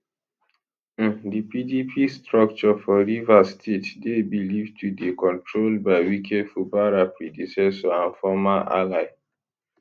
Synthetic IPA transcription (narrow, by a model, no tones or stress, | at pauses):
dipidipʰistɹɔk̚t͡ʃɔfɔɹivastʰetdebilivtwidekɔ̃ntɹolbaɪwikʰedfubaɹapɹidusɛsɔãnfɔmaʔa̰laɪ